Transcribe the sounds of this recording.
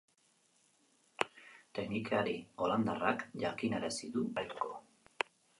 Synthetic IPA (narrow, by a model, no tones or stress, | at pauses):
t̪e̞knikaɾio̞land̪arakʝakineɾasiðuajko̞